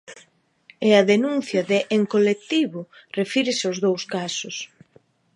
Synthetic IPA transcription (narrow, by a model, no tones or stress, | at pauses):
ɪaðenun̟θjɐðɪʔeŋkolek̚t̪iβʊrefiɾɪsozðowskasʊs